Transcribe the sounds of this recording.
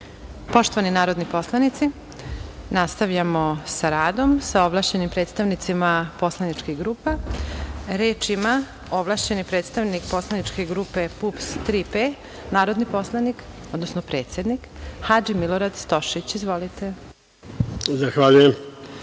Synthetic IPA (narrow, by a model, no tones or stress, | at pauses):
po̞ʃt̪o̞ʋaninaːɾo̞d̪nipo̞slˠanit̪si | nast̪aʋʎamo̞saɾaːd̪o̞msao̞blaʃt͡ɕe̞nimpɾe̞ːt̪st̪aʋnit̪simapo̞slˠanit͡ʃkiɣɡɾuːpa | ɾeːt͡ʃima | o̞blˠaʃt͡ɕe̞nipɾet̪st̪aʋnikpo̞slˠanit͡ʃkeɡɾuːpe̞pupst̪ɾipe | naːɾo̞d̪nipo̞slˠanik | od̪nosnopɾe̞ːt̪sʲje̞d̪nikhad͡ʒimilo̞ɾad̪st̪o̞ʃit͡ɕizʋo̞lit̪e̞ | zaxʋaʎujem